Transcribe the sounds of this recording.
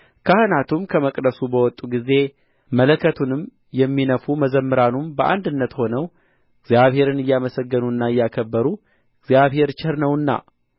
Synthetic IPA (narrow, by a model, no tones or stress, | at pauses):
kʰahɨnat̪ʰumkʰəməkʼd̪əsubəwɔt̪ʼːuɡize̞ | mələkʰːət̪ʰunɨm | jɛmːinəfuməzəmːɨɾanumbəʔa̰nd̪ɨnːət̪ho̞nəw | ɨɡzjaβhe̞ɾɨnɨjːaməsəɡːənuɨnːaɨjːakʰəbːəɾu | ɨɡzjaβhe̞ɾt͡ʃɪhɨɾnəwɨnːa̰